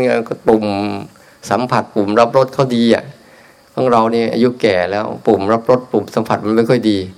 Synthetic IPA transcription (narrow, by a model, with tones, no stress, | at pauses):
a˥˧kp̪u˨˩m | sa˨˩˦mpʰa˨˩t̪̚pu˨˩mɾa˦˥p̚ɾo˦˥t̪̚kʰa˥˩wdiː˧ʔa̰˨˩ | bʰa˥˩˨ŋɾa˧wniː˥˩ʔa̰˧ju˦˥kɛː˨˩lɛː˦˥wpu˨˩mɾa˦˥p̚ɾo˦˥t̪̚pu˨˩msa˨˦mpʰa˨˩t̪̚ma˧˥nma˥˩jkʰːjdiː˧